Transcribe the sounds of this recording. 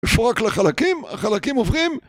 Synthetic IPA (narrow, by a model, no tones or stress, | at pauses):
foʁaklaχalakima̰χalakimovʁim